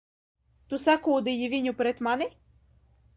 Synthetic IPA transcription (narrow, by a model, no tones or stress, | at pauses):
t̪usakoːd̪ɨjɪvʲinʲupɾɛt̪manɪ